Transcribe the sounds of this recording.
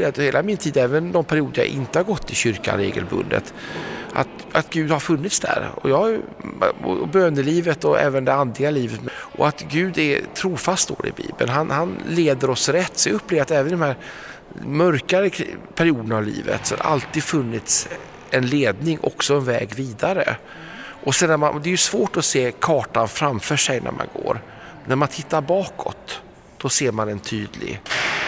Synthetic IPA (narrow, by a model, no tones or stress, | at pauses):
at̪heːlamɪnt̪ʰiːd̪ɛːvənd̪ɔmpʰæɾɪuːd̪əja̰ʔɪnt̪əhaɾɡɔt̪ʰːɪɕʏɾka̰nɾḛːɡə̰lbɵ̰nd̪ə̰t̪ʔa̰t̪ | at̪ɡʉ̟ːd̪haɾfɵnːɪt̪sd̪æ̰ɾɔ̰jɑː | ɔ̰bøːnəliːvət̪ɔʔɛ̰ːvənd̪ɛand̪lɪɡaliːvət̪mʔɔ̰at̪ɡʉ̟ːd̪ɛ̰t̪ʰɾuːfast̪̚d̪o̰ːd̪ɛ̰bḭːbə̰nɦanhanleːd̪əɾɔsɾɛt̪ːsɛɵpːleːvat̪ɛːvənd̪ɔmhæːɾ | mœɾkaɾəpʰæɾɪuːd̪ənavlḭːvə̰t̪sɔhad̪̰ʔa̰lt̪iːd̪fɵnːɪt̪s | ɛnleːd̪nɪŋʔɔ̰ksɔɛnvɛ̰ːɡviːd̪aɾə̰ | ʔɔsɛnːæmand̪ɛjɵsvoːʈɔseːkʰɑːʈanfɾamfœːʂɛjnʔæ̰ɾma̰nɡo̰ːɾ | næɾmant̪ʰɪt̪ːaɾbɑːkʰɔ̰t̪ː | d̪̥ɔseːɾmanɛnt̪ʰyːd̪lɪ̰ɡ